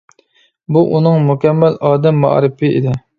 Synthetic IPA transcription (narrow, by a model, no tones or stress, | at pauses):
buʔunɨŋmukʲʰɛmːɛlɑːd̪ɛmːɑ̰ʔɾɨpɪḭd̪ɪ